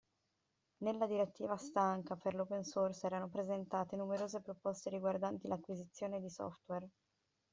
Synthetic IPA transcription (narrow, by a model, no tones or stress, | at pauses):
nelːad̪iɾet̪ːiːvast̪aŋkaperlopensorsɛːɾanopɾezent̪aːt̪enumeɾoːzepɾopɔst̪eɾiɡward̪ant̪ilakːwizit̪sːjoːned̪isɔ̰ft̪wɛr